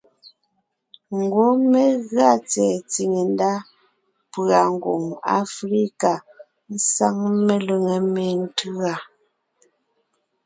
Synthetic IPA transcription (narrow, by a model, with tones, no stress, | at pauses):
ŋ̩˨ɡwo˦me˦ɣa˦t͡sɛ˨t͡si˨ŋe˨n˦da˦ | pa˨ŋ̩˨ɡwo̰˨ŋa̰˦fɾi˦ka˨ | n̩˦sa˦ŋme˦lu˨ŋe˨me˨n̩˦tɰa˨